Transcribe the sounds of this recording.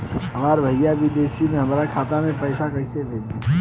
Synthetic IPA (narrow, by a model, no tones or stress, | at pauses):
ɦɐmaːɾbʱɐjaʋid̪eːsimẽɦɐmɾakʰaːt̪amẽpɐɪʃakɐʃeb̪eːt̪i